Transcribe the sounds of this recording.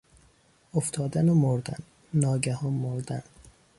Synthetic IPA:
oft̪ʰɒːd̪ænomoɾd̪æ̰n | nɒːɡæhɒːnmoɾd̪æ̰n

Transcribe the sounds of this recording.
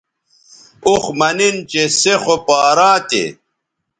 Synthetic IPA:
uxmɐnint͡ɕesexopaːɾãːt̪ḛ

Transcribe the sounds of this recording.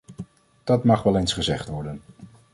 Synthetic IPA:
d̥ɑtmɑχʋɛlˠejnsχəzɛχtʋɔɹdən

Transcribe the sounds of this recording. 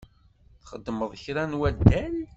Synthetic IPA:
θχəd̪ːməðˤəçɾænwæd̪æɾ

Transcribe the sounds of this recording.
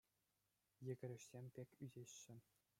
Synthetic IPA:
jɘ̆ɡʲɘ̆ɾʲɘ̆ʂsʲemʲpʲekʲyzʲeɕːɘ̆

